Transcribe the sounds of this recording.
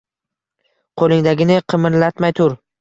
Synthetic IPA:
qʰolˠɪŋd̪aɡʲɪnɪqʰɨmɪɾlat̪majt̪ʰʊɾ

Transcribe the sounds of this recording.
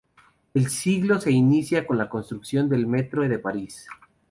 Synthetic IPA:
e̞lsiɣlo̞se̞inisjakonlako̞nst̪ɾuksjo̞nd̪e̞lmet̪ɾoðe̞paɾis

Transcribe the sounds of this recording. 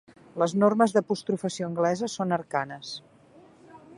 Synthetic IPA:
ləznorməzðəpust̪ɾufəsioəŋɡlɛzəsonəɾkanəs

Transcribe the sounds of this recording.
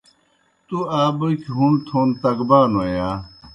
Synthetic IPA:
t̪uaːbokʰɦunt̪ʰoːnt̪ɐkbaːnoːjaː

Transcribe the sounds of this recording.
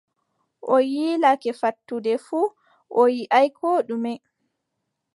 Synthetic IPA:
ʔɔjiːlakɛfatːudɛfuː | ʔɔjiʔajkʰɔːɗumɛ

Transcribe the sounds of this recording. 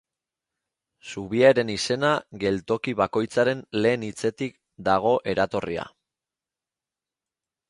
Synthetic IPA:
suβ̞iaeɾe̞nise̞naɣe̞lt̪o̞kiβako̞jt͡saɾe̞nle̞ːnit͡se̞t̪ik | d̪aɣ̞o̞ʔe̞ɾat̪o̞ria̰

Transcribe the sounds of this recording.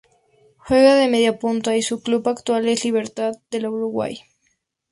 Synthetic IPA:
xwe̞ɣaðe̞meðjapunt̪aisuklupakt̪wale̞zliβ̞e̞ɾt̪aðd̪e̞lauɾuɣwa̰j

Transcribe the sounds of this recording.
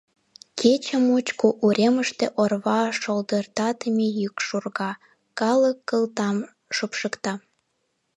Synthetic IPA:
kʰet͡ɕəmut͡ɕkoʔuɾʲeməʃt̪eʔorβɑʃold̪ərt̪ɑt̪əmʲejykʃurɣɑ | kɑləkːəlt̪ɑm | ʃopʃəkt̪ɑ

